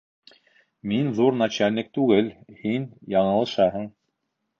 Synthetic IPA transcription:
minðuɾnat͡ɕælʲnʲɘk̚t̪ʉɡɘlhinjɑɴɤ̆lˠɤ̆ʃɑɦɤɴ

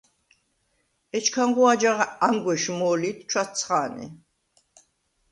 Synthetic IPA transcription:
ɛt͡ʃʰkʰaŋɡuad͡ʒaʁaaŋɡwɛʃmɔːlit̪ʰt͡ʃʰwat̪t͡sʰχaːnḭ

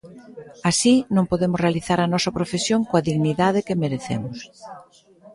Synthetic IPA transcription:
asinõŋpoðemʊsrealiθaɾɐnɔsɐpɾofesjoŋkoaðiɣniðaðɪkemeɾeθḛmʊs

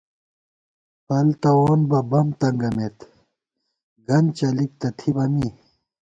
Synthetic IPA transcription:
pɐlt̪ɐwoːnbɐbɐmt̪ɐŋɡɐmet̪ | ɡɐnt͡ɕɐlik̚t̪ɐt̪ʰibɐmi

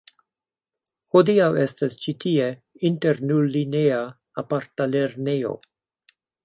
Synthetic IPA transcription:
hodiawestast͡ʃitʰie | inteɾnullinea | apaɾtaleɾnejo̞̰

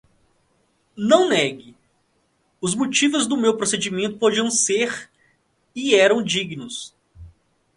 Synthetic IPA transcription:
nɐ̃w̃nɛɡɪ | ʊzmot͡ʃivʊzd̪ʊmewpɾosed͡ʒimẽnt̪ʊ̥pod͡ʒiɐ̃w̃seɾ | iɛɾɐ̃w̃d͡ʒiɡnʊs

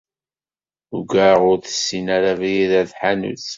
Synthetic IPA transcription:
uɡaʁʊɾθə̥sːinaɾavijiðæθħanṵθ

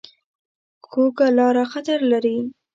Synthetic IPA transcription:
koɡalɑɾaxat̪aɾlaɾi

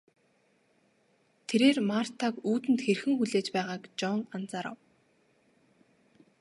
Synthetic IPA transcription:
t̪ʰeɾeːrmar̥t̪ʰakuːt̪ɘ̆nt̪xerxɘ̆ŋxuɮeːt͡ɕpæːʁaːkt͡ɕɔŋant͡saɾɔ̰w

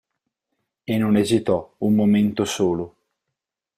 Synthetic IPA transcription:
enːonezit̪ɔummoment̪osoːlo

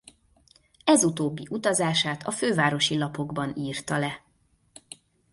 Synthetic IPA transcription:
ɛzut̪oːbːiʔut̪ɒzaːʃaːt̪ʰɒføːvaːɾo̞ʃilɒpo̞ɡbɒniːrt̪ɒlɛ

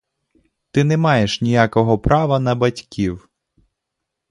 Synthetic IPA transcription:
t̪ɪnɛmɑjeʃnʲijakɔɦɔpɾɑʋɐnɐbɐtʲkʲiw

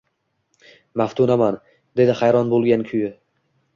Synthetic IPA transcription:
maft̪ʰunaman | d̪e̞d̪ɪχajɾɒnbolˠɡʲankʲʰʊjɪ

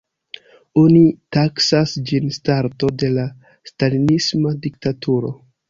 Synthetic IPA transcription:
onitaksasd͡ʒinstaɾto̞de̞la | stalinismadiktatuɾo̞̰

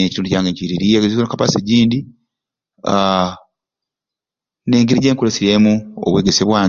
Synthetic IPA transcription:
ecituːnducaːŋɡeɲciɾiɾijeɡzionkapaseɟiːndi | neːŋɡiɾiɟeːŋkulesiɾemuo̰βwe̞ːɡeseβwaː

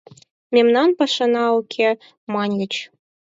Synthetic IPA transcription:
mʲemnɑnpɑʂɤ̆nɑukʲʰe | mɑnʲlʲɘ̆t͡ɕ

